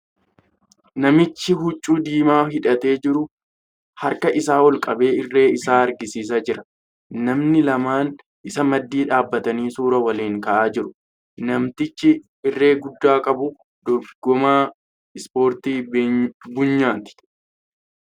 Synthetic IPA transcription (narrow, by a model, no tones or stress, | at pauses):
nɐmɪt͡ʃːɪɦʊt͡ʃʼːuːd̪iːmaːhɪᶑɐt̪e̞ːd͡ʒɪɾʊ | hɐɾkɐʔɪsaːwɔlkʼɐbe̞ːɪrːe̞ːɪsaːɐɾɡɪsiːs̬aːd͡ʒɪɾɐ | nɐmnɪlɐmaːn | ʔɪsɐmɐd̪ːiːᶑaːbːɐt̪ɐniːsuːɾɐwɐleːŋkɐʔaːd͡ʒɪɾʊ̥ | nɐmt̪ɪt͡ʃːɪ | ɪrːe̞ːɡʊd̪ːaːkʼɐbʊ | d̪ɔɡɔmaː | ɪspo̞ːɾt̪iː | bʊɲːaːt̪ɪ̥